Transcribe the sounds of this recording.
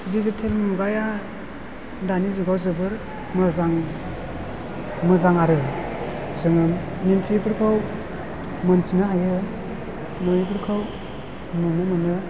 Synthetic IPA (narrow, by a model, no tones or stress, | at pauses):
dizitʰelmuɡaja | danizuɡawzɯbɯɾ | mɯzaŋ | mɯzaŋaɾɯ | zɯŋɯm | nintʰipʰɯɾkʰaw | mɯntʰinɯɦajɯ | nɔjip̬ʰɯɾkʰaw | nunɯmɯnɯ